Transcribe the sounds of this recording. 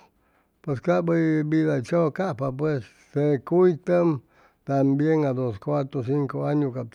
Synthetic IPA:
pweskaʔbɨibiðat͡ʃokaʔpap̬wesːekuit̪əm | t̪ambjeŋɡad̪oskʷat̪ɾos̬iŋkoaɲũka

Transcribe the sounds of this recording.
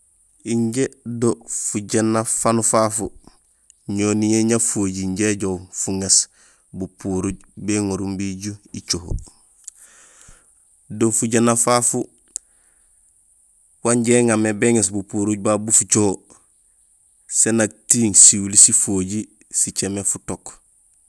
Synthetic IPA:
iɲɟedofuɟenːafanufafu | ɲonijeɲafoːɟiɲɟeɟowfuŋes | bupuɾuɟ | beŋoɾumbiɟuit͡ʃoho̰ | dofuɟenːafafu | waɲɟeːŋamebeŋes̬bupuɾuɟ̚babufut͡ʃoho | senak̚tiːŋsiwulisifoɟi | sit͡ʃemefutok

